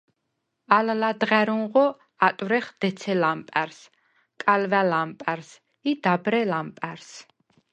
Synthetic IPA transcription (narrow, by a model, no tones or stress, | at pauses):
allad̪ʁæɾunʁɔ | at̪ʼvɾɛχd̪̥ɛt̪sʰɛlampʼɛɾs | kʼalvælampʼɛɾs | id̪abɾɛlampʼɛɾs